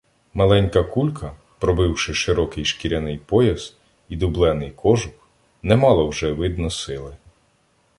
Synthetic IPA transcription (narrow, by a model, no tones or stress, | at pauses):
mɐlˠɛnʲkɐkulʲkʰɐ | pɾɔbɪwʃɪʃɪɾɔkɪjʃkʲiɾʲɐnɪjpɔjɐz̥ | id̪ʊblˠɛnɪjkʰɔʒʊk | nɛmɑlˠɔwʒɛʋɪd̪nɔsɪlˠɪ